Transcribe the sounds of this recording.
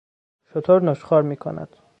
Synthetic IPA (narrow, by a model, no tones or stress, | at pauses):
ʃot̪ʰoɾnoʃxɒːɾmiːkʰo̰næ̰d̪̥